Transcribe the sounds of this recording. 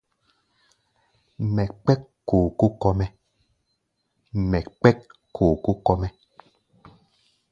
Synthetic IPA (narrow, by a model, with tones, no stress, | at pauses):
mɛ˨kk͡pɛ˦k | kːo˨ku˦kɔ˦mɛ˦ | mɛ˨k͡pɛ˦kʰː | oː˨ku˦kɔ˦mɛ˦